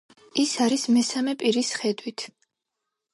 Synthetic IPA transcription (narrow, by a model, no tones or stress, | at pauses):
isaɾismɛsamɛpʼiɾisχɛd̪wit̪ʰ